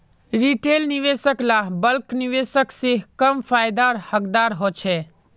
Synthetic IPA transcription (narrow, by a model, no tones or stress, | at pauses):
ɾiʈeːlnɪʋeːsəklaːbəlknɪʋeːsəkseɦkəmfaːjd̪aːɾhəkd̪aːɾɦoːt͡ʃʰeː